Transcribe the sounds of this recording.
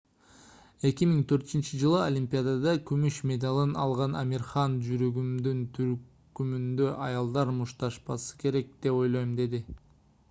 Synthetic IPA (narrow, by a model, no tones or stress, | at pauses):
e̞kʲimiŋt̪ʰø̞ɾt̪yynt͡ʃid͡ʒɯlˠɯolʲimʲpʲijad̪ad̪ɑkymyʃmʲe̞d̪ɑlˠɯnɑ̰lˠʁɑna̰mʲiɾχɑnd͡ʒyɾøɡymd̪ynt̪ʰyɾ | kymynd̪ø̞ʔɑjɑlˠd̪ɑɾmuʃt̪ɑʃpɑsɯ̥ke̞ɾe̞k̚d̪̥e̞po̞jlˠojmd̪e̞d̪i